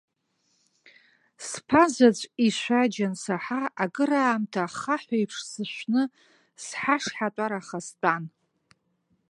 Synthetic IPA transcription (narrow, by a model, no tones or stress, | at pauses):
spʰazat͡ɕʷʼiʃʷad͡ʒansaħaaɡɨɾaːmtʰaχaħʷajpʰʂsɨʃʷnɨ | sħaʂħatʷʼaɾaχastʼan